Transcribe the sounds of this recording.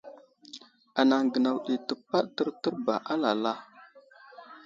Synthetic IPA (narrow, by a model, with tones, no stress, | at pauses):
a˨na˨ŋɡə˨na˨wɗi˨tə˨pa˦ɗ̚tə˦ɾtə˦ɾba̰˨ʔa˦la˨la˦